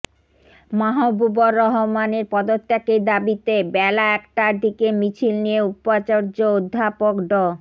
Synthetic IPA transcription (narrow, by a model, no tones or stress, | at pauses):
maɦobuboɾːɔɦomaneɾpɔd̪ot̪ːeked̪abit̪ebɛlaɛkʈad̪ʱikemit͡ɕʰilnijeupat͡ɕaɾd͡ʑood̪ʱːapokɖɔ